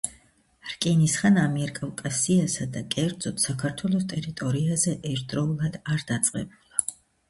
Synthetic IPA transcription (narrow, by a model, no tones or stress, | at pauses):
ɾkʼɛnisχanamiɛɾkʼavkʼasiasad̪akʼɛɾd̪zɔt̪ʰsakʰaɾt̪ʰwɛlˠɔst̪ʼɛɾit̪ʼɔɾiazɛʔɛɾt̪̚ʰd̪ɾɔulˠad̪aɾd̪at̪sʼqʼɛ̰bulˠa